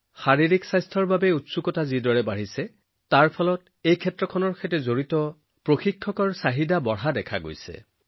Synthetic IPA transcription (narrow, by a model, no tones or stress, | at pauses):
xaɹiɹiksajstʰɔɹbabɛutsukɔtazidɔɹɛbaɹisɛ | taɹpʰɔlɔt | ejkʰɛtɹɔkʰɔnɔɹkʰetɛzoɹitɔ | pɹoxikʰːɔkɔɹsaɦidabɔɹɦadɛkʰaɡo̰jsɛ̰